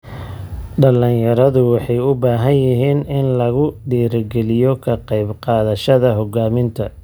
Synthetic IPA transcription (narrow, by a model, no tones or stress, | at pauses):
ɖɐlɪnjɐɾɐðʊwɑħɑjʊbaːɦɐnjɪɦiːnɪnlɐɣʊɖiːɾɡɛlɪjɔkʰɐqɑjbqɑːðɐʃɐðɐɦɔɡaːmɪnt̪ʰɐ